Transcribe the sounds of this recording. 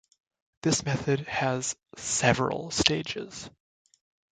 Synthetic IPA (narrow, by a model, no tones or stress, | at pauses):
ðɪsmɛθɨd̚ɨz̥sɛvɹə̰l̩ˠsteɪd͡ʒɪ̰z̥